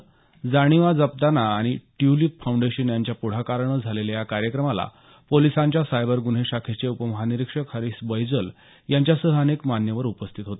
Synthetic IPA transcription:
d͡zaɽ̃iʋad͡zəp̚d̪anaːɽ̃iʈjulipfawɳɖeɕənjaɲt͡ɕjapuɽ̤akaɾɳəd͡zʱalelajakaɾjəkɾəmala̰ | polisãɲt͡ɕjasajbəɾɡun̤eɕakʰet͡seupəməɦaniɾikʂəkʰəɾisbəjd͡zəl | jaɲt͡ɕjasəɦəənekmanjəʋəɾupəst̪ʰit̪ɦot̪e̥

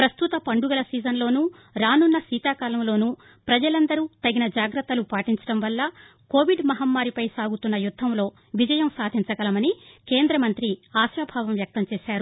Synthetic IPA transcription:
pɾɐst̪ut̪ɐpɐɳɖuɡɐlɐsiːd͡ʒɐnlo̞ːnuː | ɾaːnunːɐsiːt̪aːkaːlɐmlo̞ːnu | pɾɐd͡ʒɐlɐnd̪ɐɾuːt̪ɐɡinɐd͡ʒaːɡɾɐt̪ːɐlupaːʈiɲt͡ʃɐ̥ɽɐmʋɐlːɐ | ko̞ːʋiɖmɐɦɐmːaːɾipɐjsaːɡut̪unːɐjud̪ʱːɐmlo̞ː | ʋid͡ʒɐjɐmsaːd̪ʱiɲt͡ʃɐkɡɐlɐmɐnikeːnd̪ɾɐmɐnt̪ɾiaːʃʋɐbʱaːʋɐmʋjɐk̚t̪ɐmt͡ʃeːʃaːɾu

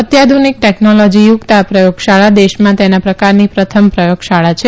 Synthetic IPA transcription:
ət̪jad̪ʱunik̚ʈeknolɔd͡ʒijuɡt̪apɾəjoɡʃaɭad̪eʃmãt̪enapɾəkaɾnipɾət̪ʰəmpɾəjoɡʃaɭat͡ʃʰe

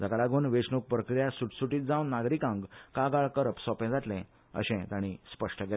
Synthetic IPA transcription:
d͡zəɡalaɡuːnʋeʂnuk̚pɾəkɾijasuʈsuʈiːt̪̚d͡zãwnːaɡɾikãŋɡkaɡaɭkəɾəpsɔpɛ̃d͡zat̪lɛ̃ | ə̰ɕɛ̃t̪aɽ̃ispəʂʈəɡɛ

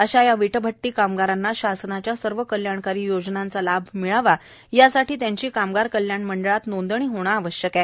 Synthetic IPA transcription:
əɕajaʋiʈəbʱəʈːiːkamɡaɾanːaɕasnat͡ɕjasəɾʋəkəljaɳkaɾiːjod͡znant͡salabʱmiɭaʋa | jasaʈiːt̪jaɲt͡ɕiːkamɡaɾkəljaɳməɳɖəɭat̪nond̪əɳ̃iːɦoɽ̃aːʋəɕjəkɛ

